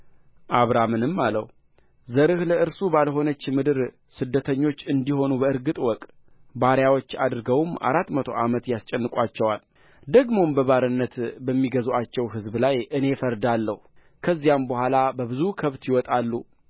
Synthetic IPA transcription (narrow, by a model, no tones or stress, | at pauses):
ʔaβɾamɨnɨmːalə̰hu | zəɾɨhləʔɨɾsubalɦo̞nət͡ʃːmɨd̪ɨɾ | sɨd̪ːət̪ʰəɲːo̞t͡ʃːɨnd̪iho̞nubəɨɾɡɨt̪ʼwɔkʼ | baɾjawo̞t͡ʃːa̰d̪ɾɨɡəwma̰ɾat̪mət̪ʰo̞̰ʔamət̪jast͡ʃʼɛnːɨkʼʷat͡ʃːɛwal | d̪əɡmo̞mbəβaɾɨnːət̪bəmːiɡəzuat͡ʃːɛwɦɨzblajʔɨne̞fəɾd̪alːəhu | kʰəzːijambəhʷalabəβɨzukʰəβt̪jɪwɔt̪ʼalːu